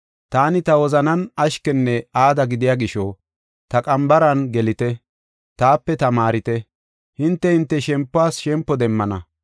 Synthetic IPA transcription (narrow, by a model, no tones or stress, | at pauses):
t̪aːnɪt̪ɐwɔzɐnɐnɐʃkɛnːɛaːd̪ɐɡɪd̪ɪjaːɡɪʃɔ | t̪ɐkʼɐmbɐɾɐnɡɛlɪt̪ɛ | t̪aːpːɛt̪ɐmaːɾɪt̪ɛ | hɪnt̪ːɛhɪnt̪ːɛʃɛmpːʊaːsʃɛmpːɔd̪ɛmːɐnɐ